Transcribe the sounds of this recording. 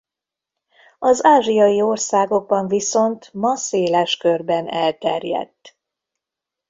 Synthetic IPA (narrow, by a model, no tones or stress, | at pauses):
ɒzaːʒijɒjio̞rsaːɡo̞ɡ̚bɒɱviso̞nt̪mɒseːlɛʃkørbɛnɛlt̪ɛrjɛ̰t̪ː